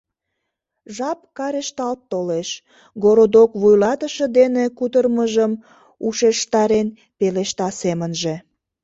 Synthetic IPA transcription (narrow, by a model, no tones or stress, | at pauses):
ʒɑpkɑɾeʃt̪ɑlt̪ːoleʃ | ɡoɾod̪okβujlɑt̪əʃəd̪enekut̪ərməʒəm | uʃeʃt̪ɑɾen | peleʃt̪ɑsemənʒe